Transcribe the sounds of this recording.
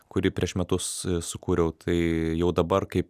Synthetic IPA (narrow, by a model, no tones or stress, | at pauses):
kʊɾʲiːpʲɾʲiɛʃmʲɛt̪ʊssʊkuːɾʲɛʊt̪ʰɐɪjɛʊd̪ɐbɐrkɐɪp